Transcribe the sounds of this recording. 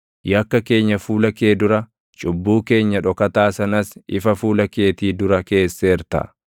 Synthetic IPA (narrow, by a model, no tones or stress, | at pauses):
jɐkːɐke̞ːɲːɐfuːlɐke̞ːd̪ʊɾɐ | t͡ʃʼʊbːuːke̞ːɲːɐᶑɔkɐt̪aːsɐnɐsɪfɐfuːlɐke̞ːt̪iːd̪ʊɾɐke̞ːsːeːɾt̪ɐ̰